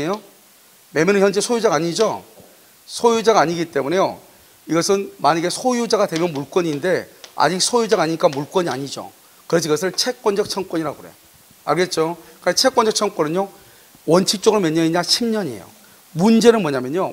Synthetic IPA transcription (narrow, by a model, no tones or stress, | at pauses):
ejo | memjʌnɯnçjʌnd͡ʑe̞sʰojud͡ʑaŋaɲid͡ʑo | sʰojud͡ʑaŋaɲiɡit͈e̞mune̞jo̰ | iɡʌsʰɯnmaɲaɡe̞sʰojud͡ʑaɡadwe̞mjʌnmuɭk͈wʌɲinde̞a̰d͡ʑik̚sʰojud͡ʑaŋaɲiɲik͈amuɭk͈wʌɲia̰ɲid͡ʑo̰ | kɯɾe̞s̬ʰʌiɡʌs̬ʰɯɭt͡ɕʰe̞k͈wʌnd͡ʑʌk̚t͡ɕʰʌŋk͈wʌɲiɾaɡoɡoɾḛjo | a̰ɭɡe̞t̚t͡ɕ͈okɯt͡ɕʰe̞k͈ʌnd͡ʑʌk̚t͡ɕʰʌŋkwʌnɯɲjo | wʌnt͡ɕʰik̚t͡ɕ͈oɡɯɾomeʌɲːʌiɲaɕʰimɲʌɲḛjo̰ | mund͡ʑe̞nɯnmʌɲamjʌɲo